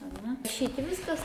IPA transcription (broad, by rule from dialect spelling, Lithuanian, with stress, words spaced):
ɐˈnʲɛ ʃʲɛɪp ˈʋʲɪskɐs